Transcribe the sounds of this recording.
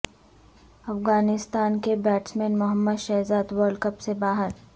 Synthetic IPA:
ɐfɣaːnɪst̪aːnkebɛːʈsmẽːnmʊɦəmːəd̪ʃɐːɦzaːd̪wɔːɾlɖkəpsebaːɦəɾ

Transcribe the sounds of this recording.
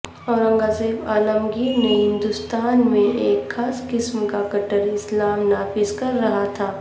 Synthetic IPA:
ɔːɾɐ̃ŋɡaːzeːbaːləmɡineɦɪ̃nd̪ʊst̪aːnmẽeːkxaːskɪsmkakɐʈəɾɪslaːmnaːfɪzkɐɾːɐɦat̪ʰaː

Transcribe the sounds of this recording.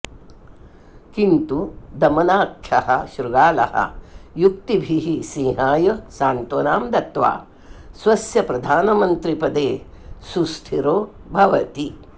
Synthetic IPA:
kint̪ud̪ɐmɐnaːkʃʰɐhɐ̰ʃɾuɡaːlɐ̰hɐ̰juk̚t̪ibʱiɦisiːɦaːjɐsaːnt̪oːnaːmd̪ɐt̪ʋa̰ː | sʋɐsjɐpɾɐd̪ʱaːnɐmɐnt̪ɾipɐd̪eː | susʈ̪ʰiɾoːbʱɐʋɐt̪i

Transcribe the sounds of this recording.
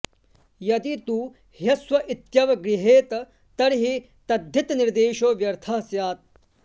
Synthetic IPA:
jɐd̪it̪uː | hjɐsʋɐʔit̪jɐʋɐɡɾiɦeːt̪ | t̪ɐɾɦi | t̪ɐd̪ʱːit̪niɾd̪eːʃoːʋjɐɾt̪ʰɐɦɐsjaːt̪̚

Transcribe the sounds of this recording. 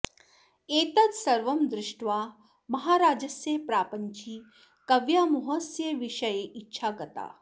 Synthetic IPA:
eːt̪ɐt̪sɐɾʋɐmd̪ɾɪʂʈʋaː | mɐɦaːɾaːd͡ʒɐsjepɾaːpəɲt͡ʃʰiː | kɐʋjaːmuɦɐsjɐʋiʂɐjeʔitːʃʰaːɡɐt̪a̰ː

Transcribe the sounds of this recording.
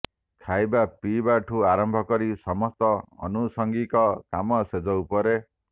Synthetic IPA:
kʰajbapibaʈʰuaɾɔmbʱɔkɔɾisɔmɔst̪ɔɔ̰nusɔŋɡikɔkamɔsed͡ʒɔwpɔɾe

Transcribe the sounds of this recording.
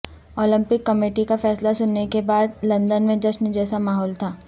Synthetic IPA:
oːlɪ̃mpɪkːɐmeːʈikafɛːslasʊnːekebaːd̪lɐ̃nd̪ənmẽd͡ʒɐʃnd͡ʒɛːsamaːɦɔːlt̪ʰaː

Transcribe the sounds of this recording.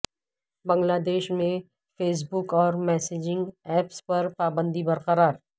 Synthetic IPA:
bɐ̃ŋɡlaːd̪eːʃmẽ | feːs̬bʊkɔːɾmɛːseːd͡ʒɪ̃ŋɡɛːpspɐɾpaːbə̃nd̪ibɐɾqəɾaːɾ

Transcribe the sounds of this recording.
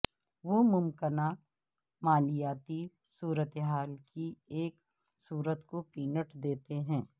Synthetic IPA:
ʋomʊmkəna | maːlijaːt̪i | suːɾət̪eɦaːlkieːk | suːɾət̪kopiːnəʈd̪eːt̪eɦɛ̃ː

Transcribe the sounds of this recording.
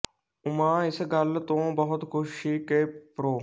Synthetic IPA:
ʊmãːɪsɡəlt̪õːbəɦʊt̪kʰʊʃiːkeːpɾoː

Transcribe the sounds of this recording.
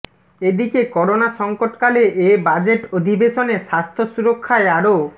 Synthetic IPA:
ed̪ikekɔɾonaʃɔŋkoʈkaleʔebad͡ʑeʈod̪ʱibeʃoneʃast̪ʰosuɾokʰːaeaɾo

